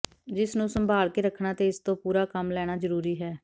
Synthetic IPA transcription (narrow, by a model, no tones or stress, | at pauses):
d͡ʒɪsnũːsəmbʱaːlkeːɾəkʰnaːt̪eːɪst̪õːpuːɾaːkəmlɛːɽ̃aːzəɾuːɾiːɦɛː